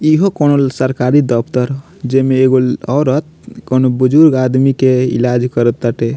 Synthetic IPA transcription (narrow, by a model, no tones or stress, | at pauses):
iɦokonolsəɾkaɾid̪əpʰt̪əɾ | d͡ʒemeːɡolɔːɾət̪̚konobud͡ʒuɾɡad̪mikeḭlad͡ʒkəɾət̪ːəʈe